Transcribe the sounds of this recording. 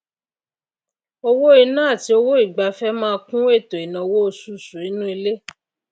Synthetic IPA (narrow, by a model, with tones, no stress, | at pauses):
o˧wo˦i˧nãː˦˨ti˨˦o˧wo˦i˦˨ɡ͡ba˨fɛ˦mãː˦˧kũ˦e˦˨tõ˨i˨nã˨wo˦o˧su˦˨sũ˨i˨˦nũ˦i˧le˦